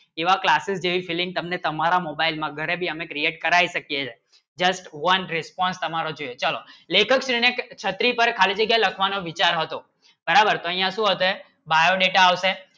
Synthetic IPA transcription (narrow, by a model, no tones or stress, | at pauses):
eʋaklasɪsd͡ʒeʋifilɪ̃ŋɡ̚t̪əmnet̪əmaɾamobailmãɡʱəɾebʱiəmẽkɾieʈ̚kəɾaiʃəkjet͡ʃʰe | d͡ʒəsʈʋənɾɪspɔnst̪əmaɾod͡ʒoet͡ʃalolekʰəkʃɾinekt͡ʃʰət̪ɾipəɾkʰalid͡ʒəɡjãləkʰʋanoʋit͡ʃaɾɦət̪o | bəɾabəɾt̪oəɦĩjãʃũɦət̪oe | bajoɖeʈaːʋʃe